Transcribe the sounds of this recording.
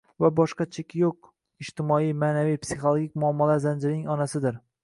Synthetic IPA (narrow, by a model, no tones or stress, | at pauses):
vabɒʃqɑt͡ʃʰekʲʰjoq̚ | ɪʃt̪ɪmɒijmaːnavijpsiχolˠoɡʲikʲmʊɒmːɒlazand͡ʒɪɾɪnɪŋɒnasɪd̪ɪɾ